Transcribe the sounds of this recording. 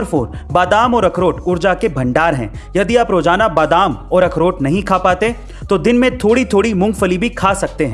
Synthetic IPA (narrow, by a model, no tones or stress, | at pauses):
ɾfoːɾbaːd̪aːmɔːɾɐkɾoːʈʊɾd͡ʒakebʱɐ̃ɳɖaːɾɦɛ̰̃ːjɐd̪iaːpɾoːd͡ʒaːnabaːd̪aːmɔːɾɐkʰɾoːʈnɐɦĩkʰaːpaːt̪e | t̪od̪ɪnmẽt̪ʰoːɽit̪ʰoːɽimʊ̃ŋɡfəlibʱikʰaːsɐk̚t̪eɦɛ̃